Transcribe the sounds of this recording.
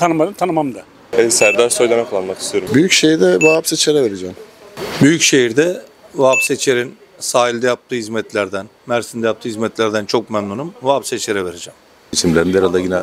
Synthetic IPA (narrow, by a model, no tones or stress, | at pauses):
t̪ʰanɯmad̪ɯmt̪ʰanɯmamd̪a | ɛsæɾd̪aɾsojd̪anakʰalˠanmaki̥st̪ʰijo̞ɾumbyjycʃejiɾd̪ɛvaapset͡ʃʰeɾɛveɾed͡ʒɛːmbyjycʃejiɾd̪ɛ | vaːpset͡ʃʰeɾin | saːɦilʲd̪ɛjap̚t̪ʰɯːhizmɛt̪lʲæɾd̪æn | mæɾsind̪ɛjap̚t̪ʰɯːhizmɛt̪lʲæɾd̪ænt͡ʃʰo̞k̚mæmnunumvapset͡ʃʰeɾɛve̞ɾed͡ʒɛm | it͡ʃʰimlʲeɾind̪eɾalˠaɟinɛ